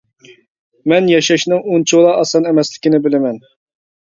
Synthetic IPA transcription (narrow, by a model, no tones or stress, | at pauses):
mɛnjɛʃɛʃnɪŋunt͡ʃʰulˠɑʔɑsɑnɛmɛslɪ̥kʲinɪbɪlɪmɛn